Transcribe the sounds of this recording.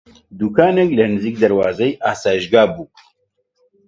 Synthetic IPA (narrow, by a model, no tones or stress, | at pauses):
d̪ukʰaːnɛklɛnɨziːk̚d̪ɐɾwaːzɛjʔaːsaːjiʃɡaːbuː